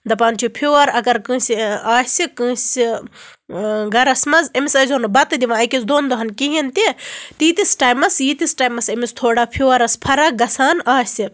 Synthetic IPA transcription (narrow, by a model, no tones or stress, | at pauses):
d̪ɐpaːnt͡ʃʰupʰuːʋɐɾɐɡɐɾkɨ̃ːsiaːsʲikɨ̃ːsi | ɡɐɾɐsmɐzɐmisɐzʲonɨbɐt̪ɨd̪iʋãɐkisd̪oːnd̪oɦɐnkiɦint̪it̪it̪isʈaːjmɐsjit̪isʈaːjmɐsɐmist̪ʰoːɽapʰoːʋɐɾɐspʰɐɾɐɡɐsaːnaːsi